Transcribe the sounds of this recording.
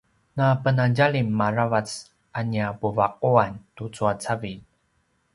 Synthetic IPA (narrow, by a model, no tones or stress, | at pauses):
napənanɟalimːaravat͡s | ʔaniapuvaq̚uantut͡suat͡savin